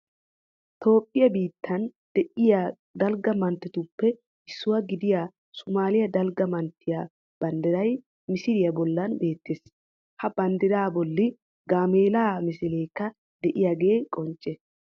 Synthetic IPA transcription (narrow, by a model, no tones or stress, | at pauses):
t̪o̞ːpʼːɪjɐbiːt̪ʰːɐnd̪̥ɛʔɪja | d̪ɐlɡɐmɐnt̪ːɛt̪ʊpːɛ | ɪsːʊwɐɡɪd̪ɪja | sʊmaːlɪjɐd̪ɐlɡɐmɐnt̪ːɪja | b̥ɐnd̪ɪɾɐj | mɪsɪɾɪjɐbɔlːɐnbe̞ːt̪ːes | hɐbɐnd̪ɪɾaːbɔlːɪ | ɡaːmeːlaːmɪsɪleːkːɐ | d̪ɛʔɪjaːɡe̞ːkʼɔnt͡ʃʼːɛ